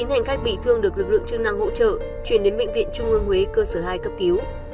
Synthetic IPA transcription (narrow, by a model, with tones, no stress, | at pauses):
i˨˦nha˨˩jŋ̟xa˦˥jk̚ɓi˧˩t̪ʰɨ˧əŋɗɨ˨˩ək̚lɨ˨˩k̚lɨ̰˧˨ə˨ŋt͡ɕɨ˧ŋ̚na˧ŋho̰˧˥t͡ɕə̰ː˧˨ | t͡ɕwi˧˩ənɗe˨˦nɓḛ˧˨ŋvḭ˧˨ənt͡ɕʊ˧ŋ͡mʔɨ˧əŋhwe˨˦kəː˧səː˧˩ɦaː˧jkə˦˥p̚k̪i˨˦əw